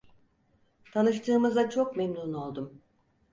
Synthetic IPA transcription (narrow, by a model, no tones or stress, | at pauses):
t̪ʰanɯʃt̪ʰɯːmɯzat͡ʃʰo̞kmemnuno̞lˠd̪um